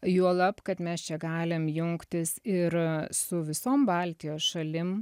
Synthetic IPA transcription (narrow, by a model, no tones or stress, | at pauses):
juɔlˠɐpkɐt̪mʲɛst͡ʃʲɛɡɑːlʲɪmjʊŋkt̪ʲɪsɪɾsʊʋʲɪsoːmbɑːlʲt̪ʲɪjoːsʃɐlʲɪm